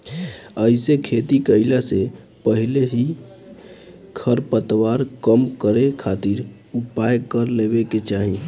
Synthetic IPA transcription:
əɪsekʰet̪ikəɪlase | pəɦileɦi | kʰəɾpət̪waɾkəmkəɾekʰat̪iɾ | upajkəɾlebeket͡ʃaɦi

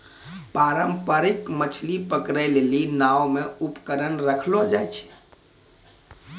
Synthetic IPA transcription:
paɾəmpəɾikmət͡ʃʰlipəkɾəlelinawmeupkəɾənɾəkʰlod͡ʒajt͡ʃʰɛ̥

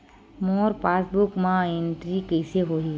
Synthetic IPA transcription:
moːɾpaːsbʊkmãẽnʈɾikɛɪseɦoːɦi

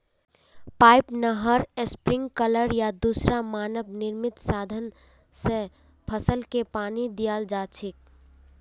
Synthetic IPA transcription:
paːɪpnəɦəɾespɾɪ̃ŋɡkələɾjad̪usɾamaːnəbnɪɾmɪt̪saːd̪ʱən | se | pʰəsəlkepaːnid̪ijaːld͡ʒaːt͡ʃʰɪk̚

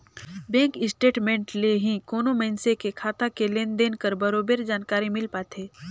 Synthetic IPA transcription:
bɛ̃ːŋkɪsʈeːʈmẽːɳʈleɦĩkoːnomɛnsekekʰaːt̪akeleːnd̪eːnkəɾbɐɾoːbeɾd͡ʒaːnkaːɾimɪlpaːt̪ʰeː

